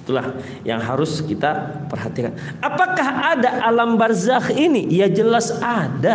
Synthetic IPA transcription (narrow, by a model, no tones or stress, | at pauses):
it̪ula̰h | ja̰ŋɦaɾʊskit̪apərɦat̪ikan | apakahadaʔalambarzahinijad͡ʒəlasada